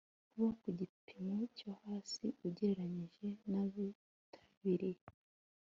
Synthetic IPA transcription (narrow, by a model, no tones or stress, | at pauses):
kuβakuɟipʰimocohaːsiuɟeɾeɾaɲiʒe̞naβi | tʰḁβiɾi